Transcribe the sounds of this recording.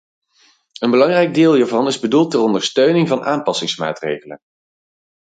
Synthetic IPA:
ənbəlɑŋrɛjɡ̚dɪːlˠiːɹvɑnɪzbədulˠtɛrɔndəɹstøɥnɪŋvɑnʔaːmpɑsɪŋsma̰ːtrḛjχələ̰n

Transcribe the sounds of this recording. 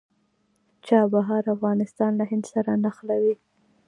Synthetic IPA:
t͡ʃɑbaɦɑɾafɣɑnɪst̪ɑnlaɦɪnd̪saɾanaxlawi

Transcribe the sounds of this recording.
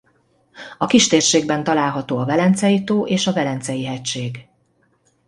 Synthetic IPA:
ɒkiʃt̪eːrʃeːɡ̚bɛnt̪ɒlaːlɦɒt̪oːɒvɛlɛnt̪sɛjit̪oːʔeːʃɒvɛlɛnt̪sɛjiɦɛcʃeːɡ

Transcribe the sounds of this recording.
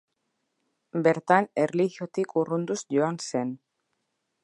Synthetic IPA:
be̞ɾt̪anerliɣjot̪ikurund̪usʝoanse̞n

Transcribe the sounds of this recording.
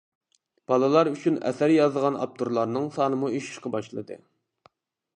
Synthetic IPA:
b̥ɑlˠɨlˠɑɾyt͡ʃʰynɛ̰sæɾjɑzəʁɑnɑ̰p̚t̪ʰuɾlˠɑɾnɨŋsɑːnɨmueʃi̥ʃqɑbɑʃlˠɨ̰d̪ɨ̰

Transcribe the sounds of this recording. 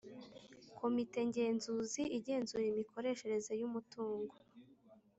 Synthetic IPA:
kʰo̞mite̞ɲɟe̞ːnzuːziʔiɟe̞ːnzuɾimikʰo̞ɾe̞ːʃe̞ɾe̞zejumutuːŋɡo

